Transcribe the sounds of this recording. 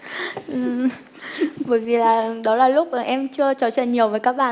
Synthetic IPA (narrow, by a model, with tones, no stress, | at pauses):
ʔɨ˨˩ | ɓəː˧˨˦jvi˨˩laː˨˩˨ɗɔ˨˦laː˨˩lʊ˦˥k͡p̚ma˨˩ʔɛ˧mt͡ɕɨ˧ət͡ɕɔ˧˩a̰˧˩ɲi˨˩əwvəː˨˦jkaː˦˥k̚ɓaː˧˨